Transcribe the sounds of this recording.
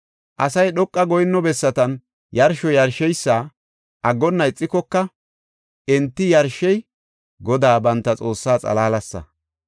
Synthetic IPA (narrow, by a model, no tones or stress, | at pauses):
ʔɐsɐjɗɔkʼːɐɡɔjnːɔbɛsːɐt̪ɐn | jɐɾʃɔjɐɾʃɛjsːaː | ʔɐɡːɔnːɐɪt͡sʼːɪkɔkːɐ | ʔɛnt̪ːɪjɐɾʃːɛj | ɡɔd̪aːbɐnt̪ːɐt͡sʼo̞ːsːaːt͡sʼɐ̰laːlɐsːɐ̰